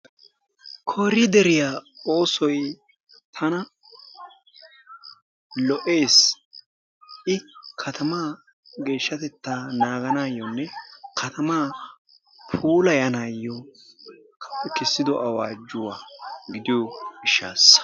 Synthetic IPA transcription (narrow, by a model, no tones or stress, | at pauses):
kʰoːɾɪd̪ɛɾɪjaːo̞ːsɔj | t̪ʰɐnɐ | lɔʔe̞ːs | ʔɪkʰɐt̪ʰɐmaː | ɡe̞ːʃːɐt̪ɛt̪ːaːnaːɡɐnaːjːɔnːɛkʰɐt̪ʰɐmaː | pʰuːlɐjɐnaːjːɔ | kʰɐpːɛkɪsːɪd̪ɔʔɐwaːd͡ʒʊwaːɡɪd̪ɪjoɪʃːa̰ːs